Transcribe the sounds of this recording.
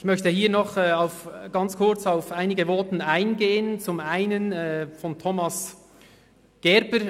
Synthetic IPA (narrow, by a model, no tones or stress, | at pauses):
ɪçmœçtəhiːɐnɔχɛːaʊfɡ̥ɑnt͡skʰʊɐt͡saʊfʔaɪnɪɡəvɔːtn̩aɪnɡeːənt͡sʊmaɪnənɛːfɔntʰomɑs | ɡ̥ɛɾbə